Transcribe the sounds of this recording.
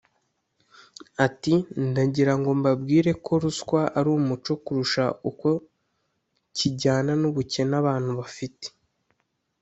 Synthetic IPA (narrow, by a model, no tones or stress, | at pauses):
atindaɟiɾaŋɡo̞mbabɡiːɾe̞kʰo̞ɾuskwaʔaɾuːmut͡ʃo̞kuɾuʃauko | ciɟaːnanuβuce̞naβaːn̥huβafite̥